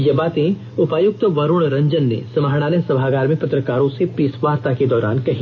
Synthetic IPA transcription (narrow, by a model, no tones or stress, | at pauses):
jɐbaːt̪ẽ | ʊpaːjʊk̚t̪əʋɐɾʊɽ̃ɾɐ̃ɲd͡ʒənːḛsɐmaɦɽ̃aːlesɐbʱaːɡaːɾmẽpɐt̪ɾəkaːɾõsepɾiːsʋaːɾt̪aked̪ɔːɾa̰ːnkɐɦĩ